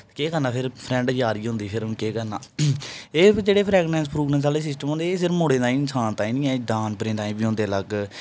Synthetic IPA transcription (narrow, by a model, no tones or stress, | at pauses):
keːkəɾnãːpʰɪɾpʰɾɛ̃ɳɖd͡ʒaːɾiːɦʊ̃nd̪iːpʰɪɾkeːkəɾna̰ː | eːd͡ʒeːɽeːpʰɾɛːɡnɛ̃ːns̬pʰɾuːɡnɛːns̬aːleːs̬ɪs̬ʈəmõːnd̪eːsɪɾmoːɽeːd̪aːĩːɪnsaːnt̪ãːĩːnĩːɛ̃ːɖãːnpəɾẽːt̪aːĩːbiːɦõnd̪eːləɡ